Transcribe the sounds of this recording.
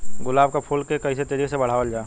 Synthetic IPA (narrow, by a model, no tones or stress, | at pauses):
ɡʊlaːb̚kapʰʊlkekɐiset̪əɾiːsebɐɽ̤aːʋəld͡ʒaː